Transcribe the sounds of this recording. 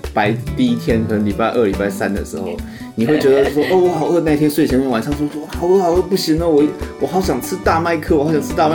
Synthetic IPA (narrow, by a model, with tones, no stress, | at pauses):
pa˧˥ɪt̪i˥˩i˥t̪ʰjɛ˥nkʰɤ˨˩nə˧˥li˨˩pa˥˧ɪʔə˥˩li˨˩pa˥˩ɪsa˦nd̪ə̰˨ʂɻ̩˧˥xo̰˥˧˩ʊ | ni˨˩xwe˥˩ɪt͡ɕɥɛ˧˥d̪ə˧o˥˩ʂwɔ˥ʔo˥˩wɔ˥xɑ˨˩ʊɤ˥˧na˥˧i˧t̪ʰjɛ˥nswe˥˩˨ʂə˧˥nmjɛ˥˩nwa˨˩nʂɑ˥˧ŋo˥˩˥wɔ˥˩˨ʊ˥xɑ˨ʊɤ˥˧pu˥˩ɕi˧˥ŋə˧wɔ˨˩wɔ˨˩xɑ˧˥ʊɕjɑ˨˩ŋt͡sʰɹ̩˥t̪a˥˧ma˥˧ɪkʰɤ˥˩wɔ˨˩˨ʊɕɑ˨˩nt͡s̩ʰ˥t̪a˥˧ma˥˧